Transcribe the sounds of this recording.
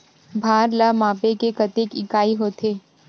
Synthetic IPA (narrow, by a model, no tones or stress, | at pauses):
bʱaːɾlamãːpekekɐt̪eːkɪkaːiɦoːt̪ʰeː